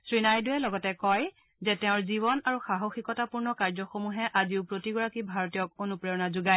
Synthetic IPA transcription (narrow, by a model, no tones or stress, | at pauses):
sɹinajduɛlɔɡɔtɛkɔj | zɛtɛʊ̃ɹziβɔnaɹuxaɦoxikɔtapuɹnɔkaɹzɔxomuɦɛʔaziʊpɹotiɡɔɹakibʱaɹotijɔk̚onupɹɛɔnazuɡaj